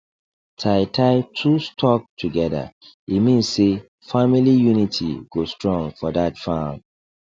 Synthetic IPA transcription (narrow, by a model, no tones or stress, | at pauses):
tʰaɪtʰaɪtʰustʰɔk̚tʰuɡɛðə̰ | imĩnsse | familijunitʰḭɡ̥ostɹɔ̃ŋfɔðatfam